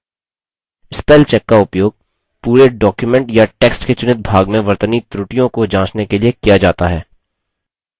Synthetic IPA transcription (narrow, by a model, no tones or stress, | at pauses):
ɪspɛːlt͡ʃɛkːaʊpjoːɡ̚ | puːɾeɖɔːkjumɛ̃ɳʈjaʈeːksʈket͡ʃʊnɪt̪̚bʱaːɡmẽʋɐɾt̪ənit̪ɾʊʈijõkod͡ʒãːt͡ʃnekeliekijad͡ʒaːt̪aɦɛː